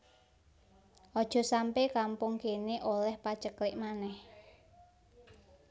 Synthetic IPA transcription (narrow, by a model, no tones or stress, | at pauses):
ʔɔd̥ʒ̥ɔ̤sampekampʊŋkeneʔolɛhpat͡ʃəklɪʔmanɛh